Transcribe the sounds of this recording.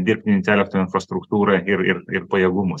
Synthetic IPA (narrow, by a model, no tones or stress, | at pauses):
d̪ʲɪɾʲpʲt̪ʲɪnʲt̪ʲæːlʲɛk̚t̪oːɪnfɾɐst̪ɾʊkt̪uːɾɐɪɾɪɾɪɾpɐjɛːɡʊmʊs